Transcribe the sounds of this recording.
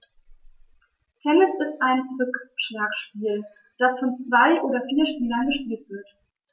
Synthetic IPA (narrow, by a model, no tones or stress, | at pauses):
hʰɛnɪsɪstʔaɪnbʏkʃlakʃpiːl | d̥asfɔnt͡sv̥aɪʔoːdɐfiːɐʃpiːlɐnɡəʃpiːltv̥ɪɐt